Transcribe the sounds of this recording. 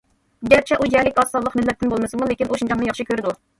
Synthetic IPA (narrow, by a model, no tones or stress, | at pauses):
ɡʲæɾt͡ʃʰɛʔujɛlɪkʲɑsɑlˠəqmɪlːɛt̪ːɪnbolˠmɨsɨmulekʲinʔoʃund͡ʒɑŋnɨjɑχʃɨkʲʰøɾɪd̪u